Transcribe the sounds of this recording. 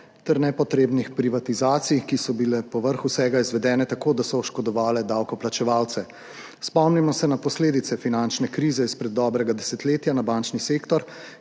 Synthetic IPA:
t̪ɛɾnɛpɔt̪ɾeːbnixpɾiʋat̪izaːt̪sijkisɔbilɛpɔʋəɾxusɛɡaizʋɛd̪ɛːnɛt̪akoːd̪asɔɔʃkɔd̪ɔʋaːlɛd̪awkɔplat͡ʃɛʋawt̪sɛ | spɔmnimɔsɛnapɔsleːd̪it̪ɛfinant͡ʃnɛkɾiːzɛispɾɛd̪ːɔːbɾɛɡad̪ɛsɛt̪leːt̪janabant͡ʃniseːkt̪ɔɾ

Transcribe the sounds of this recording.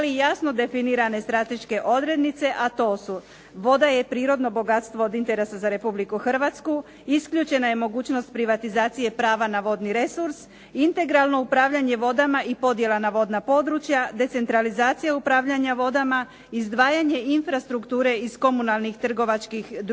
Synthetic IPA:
lijasno̞d̪e̞finiɾane̞st̪ɾat̪e̞ʃke̞ʔo̞d̪ɾe̞d̪nit̪se̞ʔat̪o̞ːsu | ʋo̞d̪aje̞pɾiːɾo̞d̪no̞bo̞ɡat̪st̪ʋo̞od̪int̪e̞ɾe̞sazaɾe̞publikuxr̩ʋat̪sku | iskʎut͡ʃe̞naje̞mo̞ɡuːt͡ɕno̞st̪̚pɾiʋat̪izaːt̪sije̞pɾaːʋanaʋo̞d̪niɾe̞suɾs | int̪e̞ɡɾalˠno̞upɾaːʋʎaɲe̞ʋo̞d̪amaʔipo̞d̪je̞lanaʋo̞d̪napo̞d̪ɾut͡ʃjad̪e̞t̪se̞nt̪ɾalizaːt̪sijaupɾaːʋʎaɲaʋo̞d̪ama | izd̪ʋaːjaɲe̞infɾast̪ɾukt̪uːɾe̞isko̞munalˠnixt̪r̩ɡo̞ʋat͡ʃkixd̪

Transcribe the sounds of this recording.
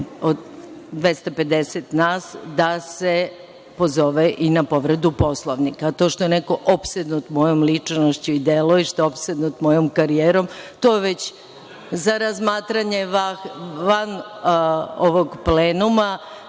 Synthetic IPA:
od̪d̪ʋe̞st̪ape̞d̪eset̪naːsd̪ase | po̞zo̞ʋeʔinapo̞ʋɾed̪upo̞slˠoʋnikat̪o̞ːʃt̪o̞jeneko̞ʔopsed̪nut̪mo̞jomlit͡ʂnoʃt͡ɕuid̪elojeʃt̪oopsed̪nut̪mo̞jomkaɾijeːɾo̞mt̪o̞ːjeʋet͡ɕ | zaɾazmaːt̪ɾaɲe̞aʋan | oʋoɡpleːnuma

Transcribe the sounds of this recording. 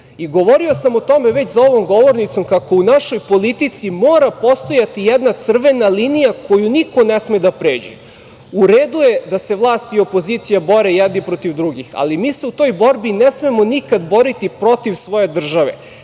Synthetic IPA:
iɡo̞ʋo̞ɾio̞samot̪o̞meʋe̞t͡ɕzao̞ʋo̞mɡo̞ʋo̞ɾnit̪so̞mkako̞unaʃo̞jpo̞lit̪it̪simoːɾapo̞st̪o̞jat̪ijɛd̪nat̪sr̩ʋe̞nalinijako̞juniko̞nesmed̪apɾeːd͡ʑḛ | uɾeːd̪uje̞d̪ase̞ʋlˠaːst̪iopo̞zit̪sijaboɾejɛd̪nipɾo̞t̪iʋd̪ɾuɡixa̰limiːse̞ut̪o̞jbo̞ɾbinesmemo̞nikad̪bo̞ɾit̪ipɾo̞t̪iʋsʋo̞je̞d̪r̩ʒaʋḛ

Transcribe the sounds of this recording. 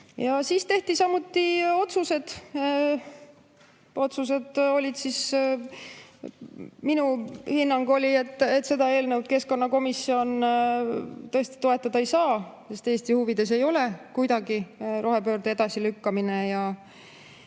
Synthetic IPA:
jɑsiːst̪e̞ht̪isɑmːut̪ːio̞t̪suse̞d̪̥ | o̞t̪sus̬e̞d̪̥o̞lʲid̪̥sis | minuhinːɑŋɡo̞lʲie̞t̪ːe̞t̪ːˑse̞d̪ɑe̞ːlnewd̪̥̚ke̞sko̞nːɑko̞misːio̞n | t̪ɤ̞e̞st̪i̥t̪o̞e̞t̪ˑːɑd̪ɑejsɑːse̞st̪e̞ːst̪ihuvid̪̥e̞s̬e̞jo̞le̞kujd̪ɑɡiɾo̞ɦe̞pø̞ːrd̪̥ee̞d̪̥ɑsilykːɑmine̞jɑ

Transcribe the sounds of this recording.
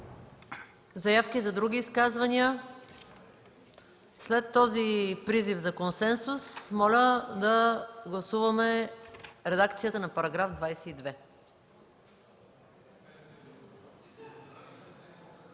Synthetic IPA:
zɐjafkizɐd̪ɾuɡʲiːskazvɐniə | slɛt̪ːɔzipɾizifzɐkonsɛnsusmɔlʲəd̪ɐɡlˠɐsuvɐmɛ | ɾɛd̪akt̪sijət̪ənɐpɐɾɐɡɾafd̪vajsɛid̪vɛ

